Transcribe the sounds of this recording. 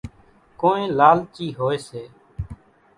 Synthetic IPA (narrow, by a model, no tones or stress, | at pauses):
koːnẽːlaːlt͡ʃiːɦoːeːseː